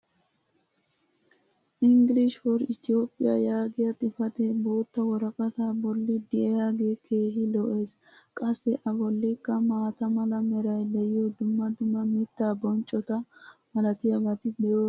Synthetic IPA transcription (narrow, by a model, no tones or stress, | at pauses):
ʔɪŋɡɪlɪʃwɔɾɪt̪ɪo̞ːpʼːɪja̰jaːɡɪjɐt̪ʼɪfɐt̪eboːt̪ːɐwɔɾɐkʼɐt̪aːbɔlːɪd̪ɪʔɛjaːɡeːkʰe̞ːɦɪlɔʔe̞ːs | kʼɐsːɛʔɐbɔlːɪkːɐmaːt̪ɐmɐlɐmɛɾɐjd̪ɛjɪjɔd̪ʊmːɐd̪ʊmːɐmɪt̪ːaːbɔnt͡ʃʼɔt̪ɐmɐlɐt̪ɪjɐbɐt̪ɪd̪ɛjoː